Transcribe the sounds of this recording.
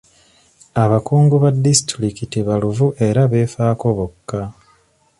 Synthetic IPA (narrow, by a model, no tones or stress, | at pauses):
aβakuːŋɡuβadːisi̥tɾikitiβaluvuʔe̞ɾaβe̞ːfaːko̞βo̞kːa